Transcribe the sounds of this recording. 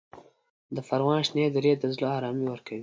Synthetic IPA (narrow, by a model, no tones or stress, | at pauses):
d̪əfaɾwɑ̃nʃned̪ɾed̪əzloɑɾɑmiwəɾkawi